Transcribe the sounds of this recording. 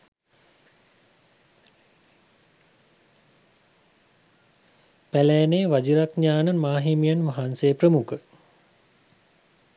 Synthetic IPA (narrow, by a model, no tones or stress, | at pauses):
pælɛːneːʋad͡ʒiɾakɲaːnəmaːɦimijanʋaɦansejprəmukə